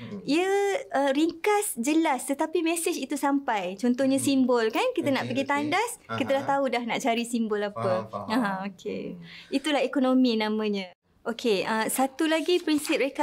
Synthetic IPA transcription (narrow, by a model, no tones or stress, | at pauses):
iəəɾiŋkasd͡ʒəlast̪ət̪apimesed͡ʒit̪usampajt͡ʃɔnt̪ɔhɲãsimbɔlkankit̪ənaʔpəɡit̪andaskit̪əlaht̪audahnaʔt͡ʃaɾisimbɔlapəaɦãokʰḛit̪ulahekonõminãmə̃ɲə̃ | ʔokʰeəsat̪ulaɡipɾinsip̚ɾeka